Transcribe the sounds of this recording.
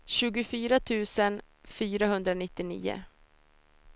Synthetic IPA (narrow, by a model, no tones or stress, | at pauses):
ɕʉ̟ːɡʊfyːɾat̪ʰʉ̟ːsən | fyːɾaɦɵnd̪ɾanɪt̪ːɪnḭːʊ̰